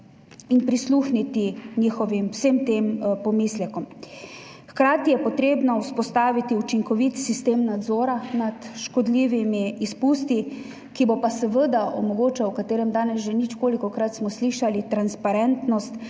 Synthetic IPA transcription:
inpɾisluxnit̪iɲiːxɔʋimwsəmt̪empɔmislɛkɔm | xkɾaːt̪ijɛpɔt̪ɾeːbnɔuspɔst̪aːʋit̪iut͡ʃiŋkɔʋit̪sist̪eːmnad̪zɔːɾanat̪ʃkɔd̪liːʋimiːspuːst̪i | kibɔpasɛʋəd̪aʔɔ̰mɔɡoːt͡ʃawkat̪eːɾɛmd̪aːnɛsʒenit͡ʃkoːlikɔkɾat̪smɔsliʃalit̪ɾanspaɾɛnt̪nɔst̪

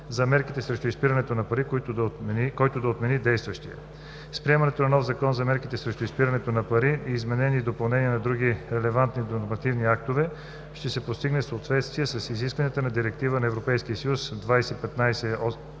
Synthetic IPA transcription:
zɐmɛɾkit̪ɛsɾɛʃt̪oispiɾɐnɛt̪onɐpɐɾik̪ | kɔjt̪od̪ɐot̪mɛnid̪ɛjst̪vɐʃt̪iə̰ | spɾiɛmɐnɛt̪onɐnɔfzɐkɔnzɐmɛɾkit̪ɛsɾɛʃt̪ʊispiɾɐnɛt̪onɐpɐɾiiːzmɛnɛnʲiːd̪opɐlˠnɛniɛnɐd̪ɾuɡiɾɛlɛvant̪nid̪onoɾmɐt̪ivniak̚t̪ovɛ | ʃt̪ɛsɛpost̪iɡnɛsəot̪vɛt̪st̪vijɛsɐsiziskvɐnʲijət̪ənɐd̪iɾɛk̚t̪ivənɐɛvɾopɛjskiəsɐjusd̪vajsɛipɛt̪najsɛɔ

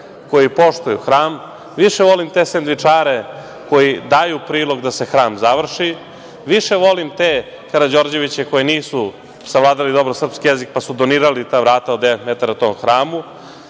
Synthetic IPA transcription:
ko̞jipo̞ʃt̪ujuxɾaːm | ʋiʃeʋo̞limt̪esend̪ʋit͡ʂaːɾe | ko̞jid̪ajupɾiːlˠo̞ɡd̪ase̞xɾaːmzaʋr̩ʃi | ʋiʃe̞ʋo̞limt̪eː | kaɾad͡ʑo̞ɾd͡ʑe̞ʋit͡ɕeko̞jeniːsu | saʋlˠaːd̪alid̪o̞bɾosr̩pskijezik̚pasud̪oniːɾalit̪aːʋɾaːt̪aod̪d̪eʋet̪met̪aɾat̪o̞ːmxɾaːmu

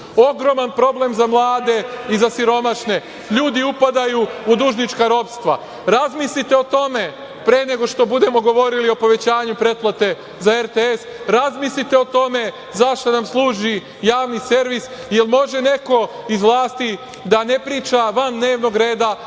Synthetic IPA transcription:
o̞ɡɾo̞manpɾo̞ble̞mzamlˠaːd̪e̞izasiɾo̞maʃne̞ | ʎuːd̪iupad̪ajuud̪uʒnit͡ʃkaɾo̞pst̪ʋa | ɾazmislit̪e̞o̞t̪o̞me̞ | pɾeːne̞ɡo̞ʃt̪o̞bud̪e̞mo̞ɡo̞ʋo̞ɾilio̞po̞ʋe̞t͡ɕaːɲupɾe̞t̪̚plˠat̪e̞ | zaeɾt̪eesɾazmislit̪e̞o̞t̪o̞me̞ | zaʃt̪anamslˠuːʒi | jaːʋnise̞ɾʋis | je̞lmo̞ʒe̞ne̞ko̞izʋlˠaːst̪i | d̪ane̞pɾiːt͡ʃaʋand̪ne̞ːʋno̞ɡɾe̞ːd̪a

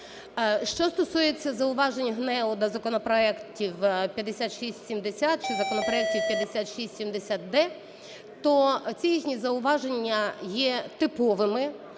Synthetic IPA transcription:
ʃt͡ʃɔst̪ɔsujet͡sʲːɐzɐʊʋɑʒenʲːɐɦnɛʊd̪ɐzɐkɔnɔpɾɔɛktʲiwpʲjɐd̪esʲat̪ʃisʲtʲsʲimd̪esʲat̪̚t͡ʃɪzɐkɔnɔpɾɔɛk̚tʲiwpʲjɐd̪esʲat̪ʃisʲtʲsʲimd̪esʲat̪̚d̪ɛ | t̪ɔt͡sʲijixnʲizɐʊʋɑʒenʲːɐjɛt̪ɪpɔʋɪmɪ

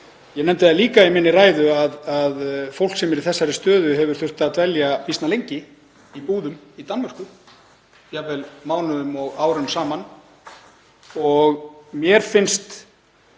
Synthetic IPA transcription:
jɛnɛmt̪ɪaaliːkaimɪnːɪraːjðʏaðaðfow̪̥ksɛmɛɾiθɛsːaɾɪst̪œːðʏɦɛvʏɾ̥θʏr̥t̪at̪vɛljapist̪nalejɲcɪ | ipuːðʏmit̪anvɛr̥kʏ | javɛlmaːwnʏðʏmɔɣaːwɾʏmsaːman | ɔɣmjɛɾ̥fɪnst̪

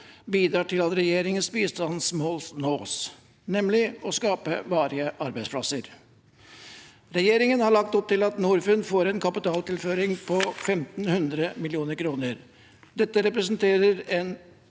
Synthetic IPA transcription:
biːd̪ɾɑːʈʰɪlɑt̪ɾɛjeːɾɪŋənsbiːst̪ɑnsmoːlsnoːs | nɛmlɪɔskɑːpə̰ʋɑːɾɪəʔɑɾbæɪsplɑ̰səɾ | ɾɛjeːɾɪŋənhɑɭɑk̚t̪ɔp̚t̪ɪlɑt̪nuːɾfʉnfoːɾɛnkʰɑpɪt̪ɑːlt̪ɪlføːɾɪŋpʰɔfɛmt̪n̩hʉnd̪ɾəmɪlɪuːnəɾkʰɾuːnəɾ | d̪̥ɛt̪ːəɾɛpɾɛsənt̪ʰeːɾəɾɛn

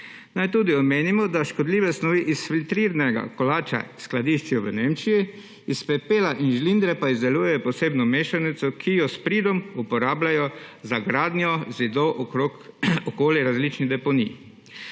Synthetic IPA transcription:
najt̪uːd̪iɔmeːnimɔd̪aʃkɔd̪liːʋɛsnɔʋiʔisfilt̪ɾiːɾanɛɡa̰kɔlaːt͡ʃa̰sklad̪iːʃt͡ʃjɔʋəneːmt͡ʃiji | ispɛpeːlaʔinʒlind̪ɾɛpaizd̪ɛluːjɛjɔpɔseːbnɔmeːʃanit̪sɔkʰijɔspɾiːd̪ɔmupɔɾaːblajɔzaɡɾaːd̪njɔzid̪ɔʔoɔkoːljɛɾazliːt͡ʃnid̪ɛpɔnḭ

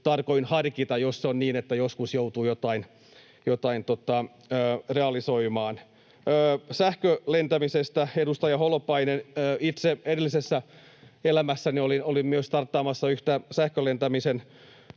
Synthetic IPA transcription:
t̪ɑrkoinhɑrkit̪ɑjosseonniːnet̪ːæjoskusjout̪uːjot̪ɑin | jot̪ɑint̪ot̪ɑ | øːreɑliso̞imɑːnː | sæhkølent̪æmisest̪æedust̪ɑjɑholopɑinenːit̪seeɾelːisesːæ | elæmæsːæniolinolimmyøst̪ɑrt̪ːɑːmɑsːɑyht̪æsæhkølent̪æmisen

